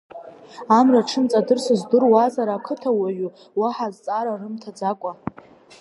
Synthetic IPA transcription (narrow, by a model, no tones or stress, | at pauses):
amraʈ͡ʂʰɨnt͡sʼadɨrsɨzdɨrwazaɾaːkʰɨtʰawaɥu | waħazt͡sʼaɾarɨmtʰad͡zakʷʼa